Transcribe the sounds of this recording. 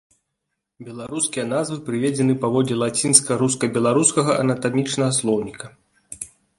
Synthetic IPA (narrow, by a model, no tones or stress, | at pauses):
bʲɛlˠaɾuskʲijɐnazvɨpɾɨvʲed͡zʲɛnɨpavɔd̪lʲɛlˠat͡sʲinskɐɾus̬kɐbʲɛlˠaɾuskɐɣɐʔɐnɐt̪amʲit͡ʂnɐɣɐslˠɔwnʲikɐ